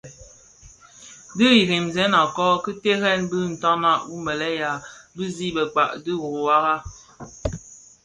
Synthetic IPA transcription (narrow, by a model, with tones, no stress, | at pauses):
dɨ˦ji˨ɾi˨mzɛ˨˦na˨kɔ˦kɨ˦te˦ɣɛ˦nbɨ˦˨n̩˨tɔ˦na˦u˦mbə˨lɛ˦ja˨bɨ˦zi˦˨bə˨k͡pa˨ʔdɨ˦ɣu˨wa˦ɣa˦